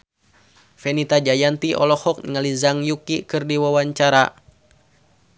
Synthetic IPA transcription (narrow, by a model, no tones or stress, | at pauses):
fɛnit̪ad͡ʒajant̪iʔɔlɔhɔk̚ŋalizaŋjukikɨrdiwawaɲt͡ʃaɾa